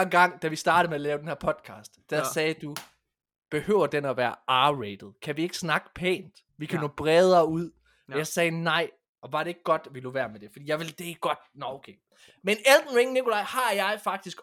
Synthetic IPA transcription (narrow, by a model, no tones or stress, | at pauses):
enɡ̥ɑ̈ŋ̰d̥æʋisd̥ɑ̈ːɾ̥ð̩ˠmeælɛːʊdenheɐ̰pʰɒ̽d̥kʰɑ̰̈ːsd̥ːæsɛːd̥u | b̥e̝høːʊ̰ɐd̥enæʋæːɐɑːʁed̥ð̞̩ˠkʰæʋie̝ɡ̥ə̥snɑ̈ɡ̥əpʰɛ̰ːnd̥ | ʋikʰænɔ̰ːb̥ʁɛːð̞ˠɐuð̰ˠ | jɑsɛːnɑ̈ɪ̰ | ɒ̽ʋɑ̈ɾ̥e̝e̝ɡ̥əɡ̥ɒ̽d̥ʋiloʋæːɐmed̥e̝fɒd̥ḭːjɑ̈ɪʋeld̥e̝ɡ̥ɒ̽d̥nɒʊkʰe | meneld̥n̩ʁeŋnikʰo̝lɑ̈ɪhɑ̈jɑ̈ɪfɑ̈ɡ̥̚d̥isɡ̥